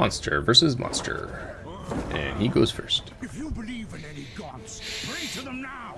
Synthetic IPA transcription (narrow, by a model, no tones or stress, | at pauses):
ɑ̃nstʰə̰˞vɜ˞sɨzmɑ̰̃nstʰə̰˞ | ʔɨ̃niɡoʊz̥fɜ˞st | jəbli | ɛniɡ